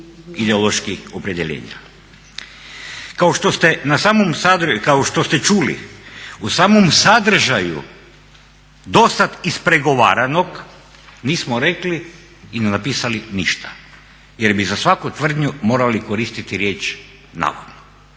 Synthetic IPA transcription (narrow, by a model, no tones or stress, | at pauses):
id̪eolˠo̞ʃkixopɾed̪jeʎḛːɲa̰ | kaoʃt̪ost̪enasaːmomsad̪kaoʃt̪o̞st̪e̞t͡ʃuːlḭusaːmomsad̪r̩ʒajṵ | d̪o̞sat̪ispɾeɡo̞ʋa̰ːɾanok | niːsmoɾe̞kliː | nenapiːsalinḭʃt̪ḁ | je̞ɾbizasʋakut̪ʋr̩d̪ɲumo̞ːɾaliko̞ɾiːst̪it̪iɾje̞ːt͡ʃ | na̰ːʋa̰d̪no